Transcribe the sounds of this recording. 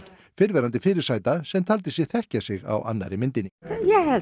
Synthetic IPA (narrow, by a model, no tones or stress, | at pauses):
fɪɾvɛːɾant̪ɪfɪːɾɪɾ̥saːjt̪asɛmt̪ʰaːlt̪ɪsɪɣθɛhcasɪɣa̰wʔa̰nːa̰ɾɪmɪnt̪ɪnːɪjɛ